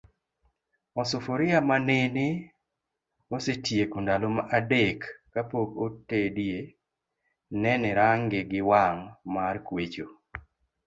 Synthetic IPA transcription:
ɔsofoɾɪamanenɪ | osetjekundalomaʔadekːapoɡotedie | nɛnɛɾaŋɡɪɡɪwaŋmarkwet͡ʃo

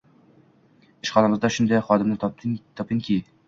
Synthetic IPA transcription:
ɪʃχɑnamɨzd̪ɑʃʊnd̪ɑjχɒd̪ɪmnɪt̪ʰɒpɪŋkʲʰi

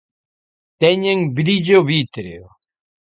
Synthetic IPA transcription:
t̪ɛɲeŋbɾiʎoβit̪ɾeo

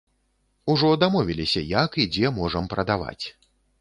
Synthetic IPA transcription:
uʐɔd̪amɔvʲilʲisʲɐjakid͡zʲɛmɔʐɐmpɾɐd̪ava̰t͡sʲ

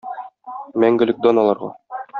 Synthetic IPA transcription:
mæŋɡɘ̆lɘk̚d̪onɑlˠɑɾʁɑ̰

